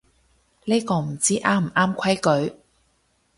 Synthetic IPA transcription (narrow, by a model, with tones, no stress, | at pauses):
le˥kɔː˧m̩˨˩t͡siː˥ʔaː˥m̩˨˩ʔaː˥mkʷʰɐ˥jkɵ˨˥ɥ